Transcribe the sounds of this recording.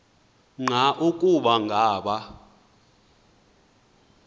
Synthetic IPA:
ŋ͡ǀʱaʔukʼuɓaŋɡʱaːɓa

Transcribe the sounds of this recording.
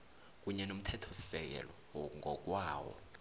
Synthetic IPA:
k̬ʼuɲɛnom̩tʰɛtʰɔ̥sɛk̬ɛ̰lɔ | ŋʱɔk̬ʼwaːwɔ̰

